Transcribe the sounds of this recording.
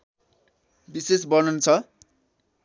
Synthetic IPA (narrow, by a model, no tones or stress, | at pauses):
bisesbʌnunt͡sʰʌ